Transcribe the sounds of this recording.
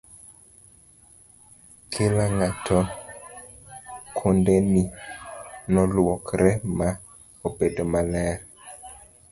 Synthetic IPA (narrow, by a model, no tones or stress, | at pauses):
kʰɪlaŋatʰɔ | kʰondɛni | nɔlwɔkɾɛma | obedomalɛɾ